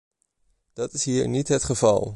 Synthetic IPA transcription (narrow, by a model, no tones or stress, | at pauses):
d̥ɑtɪsɦiːɹnitɦətχəvɑ̰lˠ